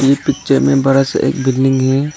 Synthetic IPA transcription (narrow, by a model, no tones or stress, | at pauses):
jepɪtːt͡ʃemẽbɐɾasḛːk̚bɪlːɪ̃ŋɡɦɛː